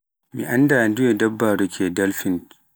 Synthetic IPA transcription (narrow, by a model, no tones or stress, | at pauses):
mḭʔandandujedɐbːaɾukʰʲedɐlfin